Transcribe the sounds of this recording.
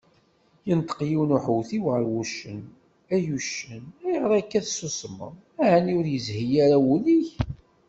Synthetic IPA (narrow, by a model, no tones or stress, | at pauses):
jənt̪ə̥qjiwnuħwθiwʁəɾwuʃən | æjuʃənæjəʁɾˤækːæθsusəmːə̰m | æʕæniʊɾjəzhijæɾawuliç